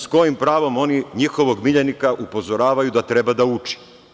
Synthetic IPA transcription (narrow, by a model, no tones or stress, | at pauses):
sko̞jimpɾaːʋo̞mo̞niɲixo̞ʋo̞ɡmiʎenikaʔupo̞zo̞ɾaːʋajud̪at̪ɾebad̪aut͡ʃi̥